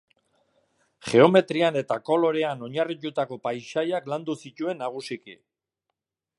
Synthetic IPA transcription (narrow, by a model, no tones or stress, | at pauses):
χe̞o̞me̞t̪ɾiane̞t̪ako̞lo̞ɾe̞ano̞ɲarit̪ut̪ako̞pajʃajakland̪usic̪ue̞nːaɣ̞usikḭ